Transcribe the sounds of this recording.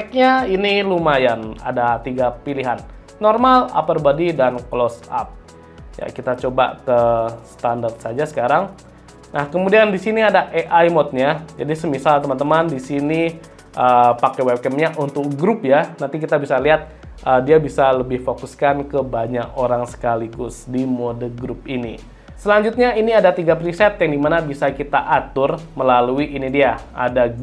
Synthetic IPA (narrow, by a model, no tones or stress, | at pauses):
k̚ɲainilumajana̰dat̪iɡapiliɦanː | ɔrmala̰pərbadidanklɔsa̰p̚ | ja̰kit̪at͡ʃoba̰kəsə̥t̪andart̪̚sad͡ʒasə̥kaɾaŋ | nahkəmudiandisiniadaʔeʔajmɔt̪̚ɲad͡ʒadisəmisalt̪əmant̪əmandisini | ʔəpakɛwɛp̚kɛmɲaʔunt̪ʊk̚ɡɾʊpjanant̪ik̬it̪abisaliɦat̪̚ | ʔədiabisaləbɪhfokuskankəbaɲakoɾaŋsə̥kaliɡʊsdimodəɡɾup̚inḭ | səlaɲd͡ʒut̪̚ɲainiadat̪iɡapɾisɛt̪̚jaŋdimanabisakit̪aʔat̪ʊrməlaluiʔinidiaa̰da